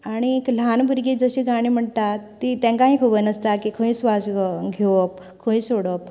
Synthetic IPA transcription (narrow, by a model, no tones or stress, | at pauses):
aɽ̃iekl̤anbʱuɾɡed͡zəɕiːɡʱaɽ̃im̤əɳt̪at̪ːit̪ẽŋkaɦĩkʰubənəst̪akikʰə̃ĩsʋasɡʱeʋəp | kʰə̃ĩsoɽəp̚